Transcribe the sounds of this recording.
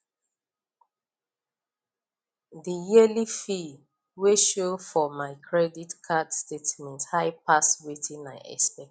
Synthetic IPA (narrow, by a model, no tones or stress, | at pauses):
dəjilifi | weʃofɔmaɪkʰɹɛditkʰadstetmɛ̃nthaɪpaswitĩnmaɪʔɛ̰spɛ